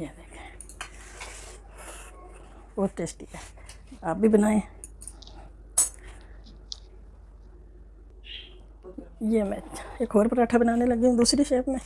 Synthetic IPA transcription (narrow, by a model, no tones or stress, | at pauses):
ed̪eːkʰẽ | bɔːt̪ːeːsʈiɦɛ | aːp̚bʱibənaːẽː | jemɛ̃eːkʰoːɾpəɾaːʈʰabənaːnelɐɡeũd̪uːsɾiʃeːpmẽː